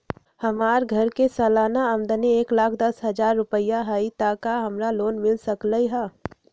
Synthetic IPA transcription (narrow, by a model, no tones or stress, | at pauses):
həmaːɾɡʱəɾkesəːlaːnaəmd̪ənieːklaːkʰd̪ɐsɦəd͡ʒaːɾːʊpəjaɦəit̪aːkaɦəmɾaloːnmɪlsəkləiɦaː